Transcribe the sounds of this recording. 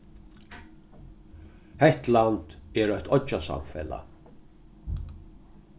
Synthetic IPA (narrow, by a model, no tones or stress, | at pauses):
hɛht̪lant̪ɛːɾœht̪ʰɔt͡ʃasa̰mfɛla̰